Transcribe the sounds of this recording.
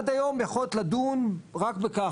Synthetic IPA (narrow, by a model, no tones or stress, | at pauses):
d̪ajo̞mjaχolt̪lad̪unʁakbeka